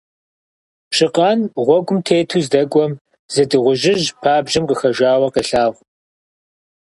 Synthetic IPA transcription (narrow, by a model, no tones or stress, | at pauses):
pɕɨqɑːnʁʷɔɡʷʊmtʰeːtʰuːzdɐkʷʼɔm | z̥ɐdɨʁʷʊʒɪʒpʰaːbʒɪmqəxɐʒʷaːwɐqəɬaːʁʷ